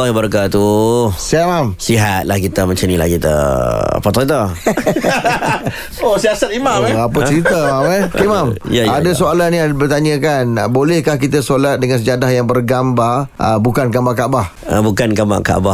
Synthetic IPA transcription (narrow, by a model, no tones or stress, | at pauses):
aɦbəɾkat̪usamamsiɦat̪̚lahkit̪əməɲt͡ʃənila̰hkit̪ə̰pɔt̪t̪a | osiasat̪imaɣapət͡ʃəɾit̪amamɛkemamjaadasoalaniabərt̪aɲə̃kanbolɛhkahkit̪asolat̪̚dəŋansəd͡ʒadahjaŋbərɡambarʔə̰bukanɡambaʔkabah | əbukanɡamba̰ka̰ba